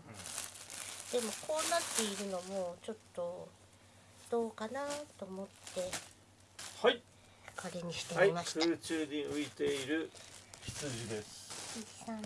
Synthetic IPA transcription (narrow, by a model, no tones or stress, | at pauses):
d̪̥e̞mo̞kʰo̞ːnat̪ːe̞iɾɯ̟no̞mo̞t͡ɕo̞t̪ːo̞ | d̪̥o̞ːkanat̪o̞mo̞t̪ːe̞ | hai | kʰaɾeɲ̟içi̥t̪eaiimaɕɯːt͡ɕɨːɲʲiɯit̪e̞iɾɯ̟çʲi̥t͡sɨʑid̪e̞sɨ̥a